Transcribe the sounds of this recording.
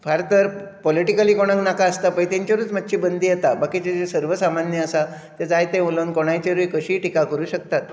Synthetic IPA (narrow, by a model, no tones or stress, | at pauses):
fʰaɾt̪əɾpɔliʈikəliːkoɽ̃ãŋknakaəst̪apə̃jt̪aɲt͡ɕjaʋɾuːt͡smat̪ːɕiːbənd̪iːjet̪abakit͡ɕed͡zesəɾʋəsamanjəəsa | t̪ad͡zajt̪ẽmolənkoɽ̃ajt͡ɕeɾujkəɕiːʈikakəɾuːɕək̚t̪at̪̚